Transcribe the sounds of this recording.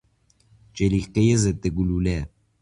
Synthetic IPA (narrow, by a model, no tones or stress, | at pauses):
t͡ʃeliqejezet̪ːeɡulule